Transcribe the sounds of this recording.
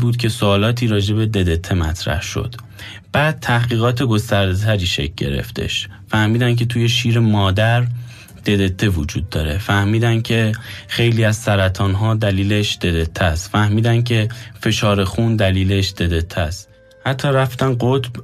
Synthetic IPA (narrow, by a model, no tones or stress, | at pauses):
buːd̪cʰe̞soɒːlɒːt̪ʰiːɾɒːd͡ʒe̞be̞d̪e̞d̪e̞t̪ʰːe̞mæ̰t̪ʰɾæ̰hʃo̞̰d̪̥ | b̥æːd̪̥̚t̪ʰæhɡiːɣɒːt̪ʰe̞ɡo̞st̪æɾd̪et̪ʰæɾiːʃḛc̚ʰʲɟe̞̰ɾḛft̪ḛʃ | fæhmiːd̪ænc̬ʲʰe̞t̪ʰuːje̞ʃiːɾemɒːd̪æɾ | d̪̥e̞d̪e̞t̪ʰːe̞vod͡ʒuːd̪ːɒ̰ːɾe̞fæhmiːd̪æncʰe̞xe̞jliːæzsæɾæt̪ʰɒːnɦɒːd̪æliːleʃd̪̥e̞d̪e̞t̪ʰːæst̪fæhmiːd̪æncʰe̞fe̞ʃɒːɾe̞xund̪æliːle̞ʃd̪̥e̞d̪e̞t̪ʰːæst̪ | hæt̪ʰːɒːɾæft̪ænɢot̪b̥